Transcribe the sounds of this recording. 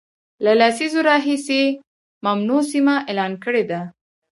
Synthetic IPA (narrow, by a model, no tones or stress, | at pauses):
lalasizoɾɑɦise | mamnosimaʔelɑnkəɽed̪a